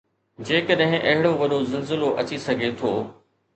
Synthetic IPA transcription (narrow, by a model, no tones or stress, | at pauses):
d͡ʑeːkəɗɦɪ̃ʔɐɦɪɽoʋɐɗozɪlzɪloʔɐt͡ɕisɐɡʱet̪ʰoː